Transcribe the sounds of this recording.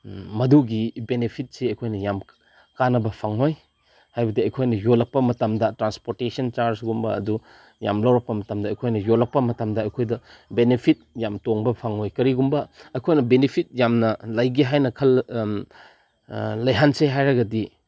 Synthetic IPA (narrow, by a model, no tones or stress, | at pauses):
mɐduɡibenepʰit̚seɐjkʰojnɐjam | kanɐbɐpʰaŋoj | hajbɐdiɐjkʰojnɐjolɐk̚pɐmɐtɐmdɐtɾanspoɾtesɐnt͡ʃaɾsɡumbɐɐ̰du | ja̰mlawɾɐk̚pɐmɐtɐmdɐːjkʰojnɐjolɐk̚pɐmɐtɐmdɐɐjkʰojdɐ | benepʰit̚jamtoŋbɐpʰaŋojkɐɾiɡumbɐɐjkʰojnɐbenepʰit̚jamnɐlɐjɡiɦajnɐkʰɐl | lɐjɦanseɦajɾɐɡɐdi